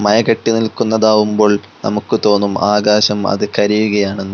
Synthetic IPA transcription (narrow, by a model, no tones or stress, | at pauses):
mɐjɐkɐʈːinilkunːɐðaːʋumbo̞ːɭ | nɐ̰mukːɨt̪o̞ːnːumaːɡaːɕɐmɐ̰ðɨkɐɾijuɣɐjaːɳe̞nːu